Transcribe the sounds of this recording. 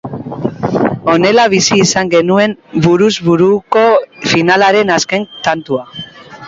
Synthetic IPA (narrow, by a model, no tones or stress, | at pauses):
o̞ne̞laβ̞isiːsaŋɡe̞nue̞nbuɾuzβuɾuko̞finalaɾe̞naske̞nt̪ant̪ua